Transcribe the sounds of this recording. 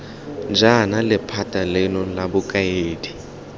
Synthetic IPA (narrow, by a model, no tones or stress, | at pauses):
d͡ʒanalɪpʰatʼalɪnɔlabʊkʼajeːdi